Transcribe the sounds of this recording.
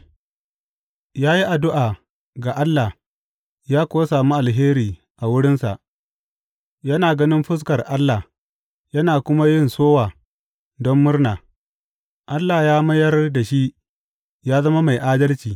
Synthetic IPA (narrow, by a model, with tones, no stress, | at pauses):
jaː˦ji˦ʔa˨dʊ˦ʔaː˨ | ɡa˨ʔa˦lːa˨ | jaː˦kʷoː˦saː˨mu˦ʔa˨lɦeː˦ɾiː˨ | ʔa˨wʊ˦ɽɪ˦nsa̰˨ʔ | jɐ˦naː˨ɡɐ˦nɪ˦mɸʊ˦s̬kɐ˨rʔa˦lːa˨ | jɐ˦naː˨kʷʊ˦ma˦jɪ˦˨nsoː˦waː˨ | dɔ˦mːʊ˦rnaː˨ | ʔa˦lːa˨jaː˦mɐ˦jɐ˦rda˨ʃi˦ʔ | jaː˦zɐ˦ma˦ma˨jʔaː˦dɐ˦lt͡ʃiː˨